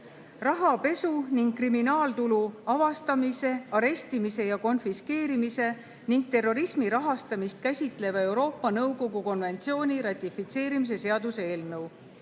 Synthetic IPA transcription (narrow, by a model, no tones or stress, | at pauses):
rɑɦɑpe̞suniŋɡkːriminɑːlt̪uluɑvɑst̪ɑmise̞ɑɾe̞st̪imise̞jɑko̞nfiske̞ːɾimise̞ | niŋɡ̥̚t̪e̞ro̞ɾismiɾɑɦɑst̪ɑmist̪̚kæsʲit̪ˑle̞vɑe̞wɾo̞ːpːɑnɤwko̞ɡuko̞nve̞nt̪sio̞ːnʲiɾɑt̪ʲːˑifit̪se̞ːɾimis̬e̞se̞ɑd̪usee̞ːlnɤw